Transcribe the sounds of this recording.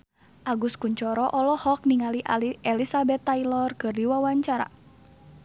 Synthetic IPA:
ʔaɡuskuɲt͡ʃɔɾɔʔɔlɔhɔk̚niŋaliʔa̰liɛlisabɛt̪ːailɔrkɨrdiwawaɲt͡ʃaɾa̰

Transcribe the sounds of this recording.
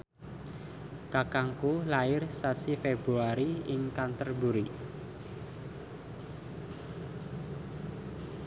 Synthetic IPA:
kakaŋkulaɪrsasifeb̥ɾuaɾiɪŋkant̪ərbuɾi

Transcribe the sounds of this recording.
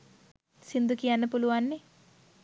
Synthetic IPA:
sind̪ukiɐnːɐpuluʋɐnːi

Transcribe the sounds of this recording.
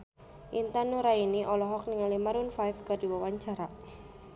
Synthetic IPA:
ʔint̪anuɾainiʔɔlɔɦɔk̚niŋaliməɾunfajfɡ̥a̤di̤wawaɲt͡ʃaɾa

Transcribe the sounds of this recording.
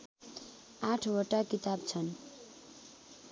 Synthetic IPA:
aʈʰwʌʈakit̪abt͡sʰʌn

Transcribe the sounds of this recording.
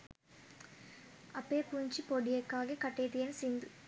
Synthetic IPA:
ɐpːeːpuːɲt͡ʃipɔɽɪjɐkːaːɣɐkɐʈːɐt̪ːɪjɐnsind̪ɯ

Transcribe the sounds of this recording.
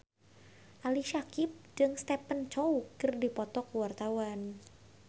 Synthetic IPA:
ʔaliʃakɪp̚d͡ʒɨŋst̪ɛpənt͡ʃɔukɨrdipɔt̪ɔkəwart̪awan

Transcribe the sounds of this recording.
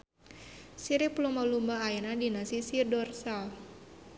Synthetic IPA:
siɾiplɔmalumbaːinadinasisirdɔrsal

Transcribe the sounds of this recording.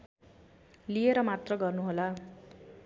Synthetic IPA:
lijeɾʌmat̪rʌɡʌrnuɦola

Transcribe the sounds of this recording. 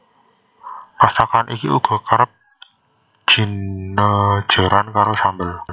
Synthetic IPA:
pasakanʔikiṵɡ̥ɔ̤kaɾəp̚ | ʒ̥i̤nːə̥ʒ̥a̤ɾankaɾosambəl

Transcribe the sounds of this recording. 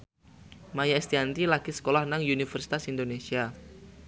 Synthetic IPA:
majaɛst̪iant̪ilaɡ̥isə̥kolahnaŋunifɛrsi̥t̪asind̪onesia

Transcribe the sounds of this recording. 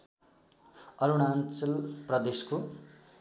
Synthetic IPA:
ʌɾuɽ̃ant͡sʌlprʌd̪esko

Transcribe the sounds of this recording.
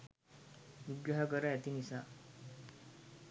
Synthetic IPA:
ʋuɡɾaɦakəɾajat̪inisa

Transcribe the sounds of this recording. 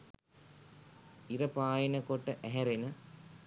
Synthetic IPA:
iɾɐpaːjinɐkoʈːɐʔeɦeɾenɐ

